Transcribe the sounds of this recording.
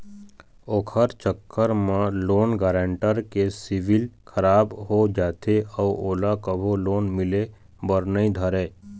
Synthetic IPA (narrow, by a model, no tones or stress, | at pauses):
oːkʰəɾt͡ʃəkːəɾmãloːnɡaːɾẽɳʈəɾkesɪʋɪlkʰəɾaːbɦod͡ʒaːt̪ʰeɔʋoːlakəbʱoloːnmɪle | bəɾnəĩd̪ʱəɾeː